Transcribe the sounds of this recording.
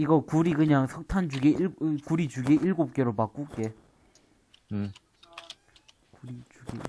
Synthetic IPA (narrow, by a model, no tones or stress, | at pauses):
iɡʌkuɾikɯɲaŋsʰʌk̚tʰand͡ʑuɡeiɭkuɾit͡ɕuɡeʔiɭɡop̚k͈eɾopak͈uke | kuɾit͡ɕuɡḛ